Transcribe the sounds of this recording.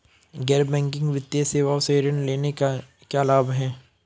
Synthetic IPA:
ɡɛːɾbɛ̃ːŋk̬ɪ̃ŋɡʋɪt̪ːjeseːʋaːʊseɾəɳleːnea | kjalaːbɦɛ̃ː

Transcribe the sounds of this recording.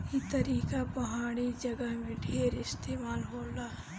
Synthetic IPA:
it̪əɾiːkapəɦaːɽ̃id͡ʒəɡəɦmẽɖʱeːɾɪst̪eːmaːlɦoːlaː

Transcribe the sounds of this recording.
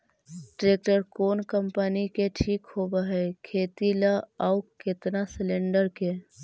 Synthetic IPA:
ʈɾeːk̚ʈəɾkoːnkəmpənikeʈʰiːkhoːbaɦɛkʰeːt̪ilaaʊkɪt̪nasɪlẽɳɖəɾke

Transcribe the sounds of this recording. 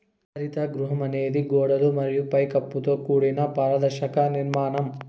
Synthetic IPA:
ɐɾit̪ɐɡɾuɦɐmɐneːd̪iɡoːɽɐlumɐɾijupɐjkɐpːut̪oːkuːɽinɐpaːɾɐd̪ɐɾʃɐkɐniɾmaːnɐm

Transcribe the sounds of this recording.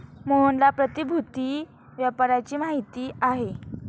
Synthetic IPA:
moɦonlapɾət̪ibʱut̪iː | ʋjapaɾat͡ɕiːmaɦit̪iːaɦe

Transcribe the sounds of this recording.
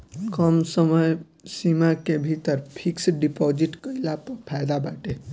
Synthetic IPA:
kəmsəməj | simakebʱit̪əɾpʰiksɖipɔd͡ʒiʈkəilapəpʰajd̪abaʈe

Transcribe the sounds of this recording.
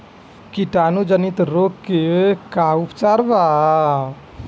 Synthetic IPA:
kiʈanud͡ʒənit̪ɾokːekaupt͡ʃaːɾba

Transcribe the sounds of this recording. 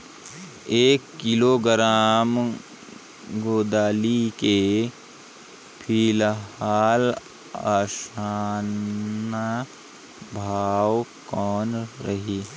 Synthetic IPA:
eːkːɪloɡɾaːm | ɡoːd̪aːlike | pʰiːlɦaːl | aːʃaːna | bʱaːwkɔːnɾɐɦiː

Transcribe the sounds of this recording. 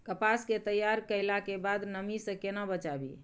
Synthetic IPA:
kəpasket̪əjaɾkəɪlakebad̪nəmisə̃kenabət͡ʃabḭ

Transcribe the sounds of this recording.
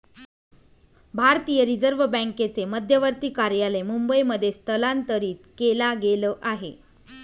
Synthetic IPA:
bʱaɾt̪iːjəɾid͡zəɾʋbə̃ŋket͡seməd̪ʱjəʋəɾt̪iːkaɾjalemumbəijməd̪ʱːjest̪ʰəlant̪əɾiːt̪kelaɡeləːʔaɦḛ

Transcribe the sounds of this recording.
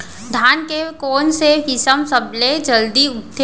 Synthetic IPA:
d̪ʱaːnkekoːnseɦɪsəmsəbled͡ʒəld̪iʊt̪ʰːe

